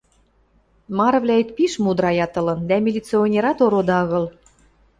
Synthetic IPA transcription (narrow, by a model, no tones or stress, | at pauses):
mɑɾɤ̆βlʲæet̪̚piʃmud̪ɾɑjɑt̪ɤ̆lɤ̆nd̪æmʲilʲit͡sionʲeɾɑt̪oɾod̪ɑɤ̆ɣɤ̆l